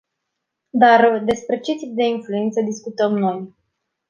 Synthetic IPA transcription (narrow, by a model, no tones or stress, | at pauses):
d̪ard̪e̞spɾe̞t͡ʃet̪ip̚d̪e̞influe̞nt̪səd̪iskut̪əmno̞j